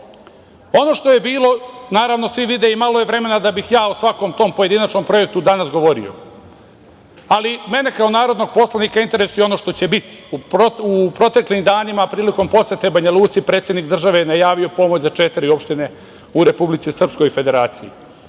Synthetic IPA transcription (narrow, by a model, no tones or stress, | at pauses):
o̞no̞ːʃt̪ojebiːlˠo̞naːɾaʋno̞sʋiʋid̪eimalo̞jeʋɾe̞me̞nad̪abixjaːosʋako̞mt̪o̞mpo̞je̞d̪inat͡ʃno̞mpɾo̞jek̚t̪ud̪anasɡo̞ʋo̞ɾḭo̞̰ | alime̞ne̞kao̞naːɾo̞d̪no̞ɡ̚po̞slˠanikaint̪e̞ɾesujeo̞no̞ːʃt̪o̞t͡ɕe̞bit̪i̥upoupɾo̞t̪e̞klimd̪aːnimapɾiːliko̞mpo̞set̪ebaɲalˠuːt̪sipɾet̪sʲjed̪nikd̪r̩ʒaʋejnajaːʋio̞po̞mot͡ɕzat͡ʃet̪iɾio̞pʃt̪ine̞ | uɾe̞publit̪sisr̩psko̞jife̞d̪e̞ɾaːt̪sijḭ